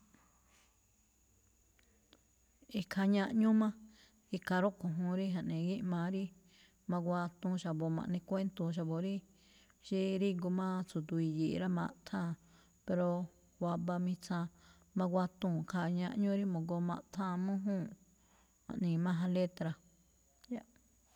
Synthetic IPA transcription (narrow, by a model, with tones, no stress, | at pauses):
i˧˨kʰa˧ɲã˧ʔɲũ˦mã˦ | i˧ka˧ɾo˦ʔkõ˨ɦũ˧ɾi˦ɦã˨ʔnẽ˨ɡi˦ʔmã˧ɾi˦ | mã˧ɡʷa˧t̪ũ˧ʃa˨bo˨mã̰˧ʔnĩ˧kʷe˦nt̪u˧ʃ̬a˧bo˨ɾi˦ | ʃi˧ɾi˦ɡo˧mã˦t͡su˨d̪u˧i˧ji˨ʔɾa˦mã̰˧ʔt̪ʰã˧˨ | pe˧ɾo˧ | wa˧ba˧mĩ˧t͡sã˧ | mã˧ɡʷa˧t̪ũː˧˨kʰa˧ɲã˧ʔɲũ˦ɾi˦mõ˨ɡo˧mã̰˧ʔt̪ʰhã˦˧˨mũ˦ɦũː˦˨ | hã̰˨ʔnĩ˨mã˦ɦã˧le˦t̪ɾa˧ | ja˦˧ʔ